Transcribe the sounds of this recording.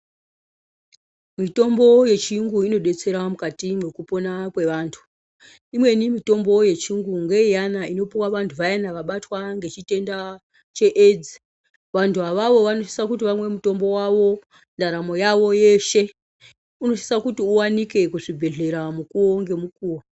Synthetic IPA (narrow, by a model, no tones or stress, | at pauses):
mito̞mbo̞je̞t͡ʃiŋɡuino̞ɗe̞t͡se̞ɾamukatimwekupo̞nakwe̞ʋaːntʰu̥ | imwe̞nimito̞mbo̞je̞t͡ʃiŋɡuŋɡeijanaino̞piwaʋantʰuʋajanaʋaɓatwaŋɡe̞t͡ʃite̞nda | t͡ʃe̞ʔed͡zi | ʋantʰuaʋaʋo̞ʋanoʃi̥sakutiʋamwe̞muto̞mbo̞waʋo̞ | ndaɾamo̞jaʋo̞je̞ʃe̞ | uno̞ʃi̥sakutiuwanike̞kuʐibʱe̞ɮe̞ɾamukuo̞ŋɡe̞mukuːwa